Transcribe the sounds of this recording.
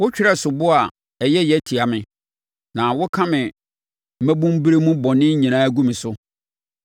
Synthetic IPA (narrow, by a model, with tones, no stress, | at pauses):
wʊ˦t͡ɕᶣɪ˦ɾɛ˦sʊ˨bʊ˦a˨ | ɛ˨jɛ˦jɛ˦tʰi˨a˨mɪ̃˨ | nã˨wʊ˦kʰã˦mɪ̃˨ | m̩˨˦mæ˦bũ˦m˦bi˦ɾe˦mũ˦bɔ̃˨nɪ̃˦ɲĩ˨nãː˦ɡũ˦mɪ̃˨sʊ˦